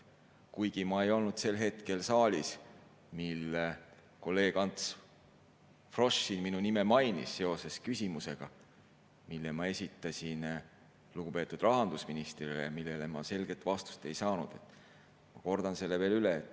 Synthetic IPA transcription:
kujɡ̥imɑe̞jo̞lnud̪̥se̞lːɦe̞t̪ke̞lsɑːlʲis | milː | ko̞lːe̞ːɡ̥ɑnt̪s | fro̞ʃinminunime̞mɑjnḭsːe̞o̞se̞skysʲimuse̞ɡ̥ɑ | milːemɑe̞sʲit̪ːˑɑsʲin | luɡ̥upe̞ːt̪ːˑud̪̥rɑɦɑnd̪̥usminist̪rilḛmilːe̞lemɑse̞lɡ̥e̞t̪ːˑvɑst̪u̥st̪e̞jsɑːnṵd̪̥e̞t̪ːˑ | mɑko̞rd̪̥ɑnse̞lːe̞ve̞ːlyleːt̪ːˑ

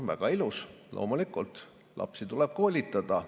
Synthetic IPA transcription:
væ̰ɡ̥ɑiluslo̰ːmulikˑult̪ˑ | lʔɑ̰psit̪uleb̥̚ko̞ːlʲit̪ːˑɑd̪̥ɑ

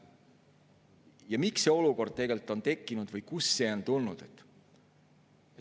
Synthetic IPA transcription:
jɑmiksːeo̞luko̞rd̪̚t̪e̞ɡe̞lt̪ːˑo̞nt̪e̞kːˑinud̪̥vɤjkusːe̞ont̪ulnud̪̥et̪ː

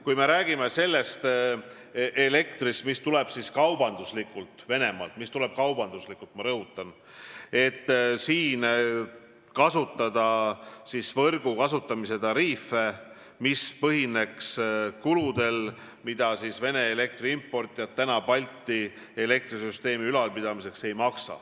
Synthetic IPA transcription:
kujme̞ɾæːɡ̥ime̞se̞lːe̞st̪ | ʔele̞kt̪rist̪mist̪ule̞b̥siskɑwbɑnd̪̥uslikːult̪ˑve̞ne̞mɑ̰ːlt̪mist̪ule̞b̥kɑwbɑnd̪̥uslikːˑult̪mɑɾɤɦut̪ːˑɑn | e̞t̪ːsiːn | kɑsut̪ˑːɑd̪̥ɑsisvɤrɡ̥ukɑsut̪ːˑɑmise̞t̪ɑɾiːfːe̞ | mispɤɦine̞kskulud̪̥e̞l | mid̪̥ɑsisve̞ne̞ːle̞k̚t̪riimpːo̞rt̪ːˑjɑt̪ːænɑpɑlʲt̪ːˑi | e̞le̞k̚t̪risyst̪e̞ːmiylɑlpid̪ɑmise̞kse̞jmɑksɑ̰

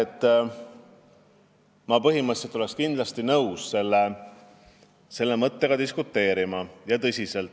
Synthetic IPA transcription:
et̪ːˑ | mɑpɤɦimət̪se̞t̪ːolekskind̪̥lɑst̪inɤwsːe̞lːe | se̞lːe̞mɤt̪ːe̞ɡ̥ɑd̪iskut̪ˑːe̞ːɾimɑjɑt̪ɤsʲise̞lt̪ːˑ

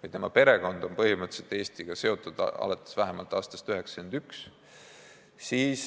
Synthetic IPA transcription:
kujt̪emɑpe̞ɾe̞ɡo̞nd̪̥o̞npɤɦimɤt̪se̞lt̪ːˑeːst̪iɡ̥ɑse̞o̞t̪ːˑud̪̥ɑ̰lɑt̪ːˑe̥svæɦemɑlt̪ːˑɑːst̪ɑ̥st̪yɦe̞ksɑ̥kynd̪̥yks | siːs

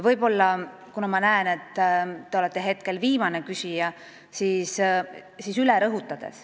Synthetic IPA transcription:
vɤjbo̞lːɑ | kunɑmɑnæene̞t̪ˑːeo̞let̪ˑːe̞ɦe̞t̪̚ke̞lviːmɑnekysʲijɑ | siːssisyleɾɤɦut̪ːˑɑd̪̥e̞̰s

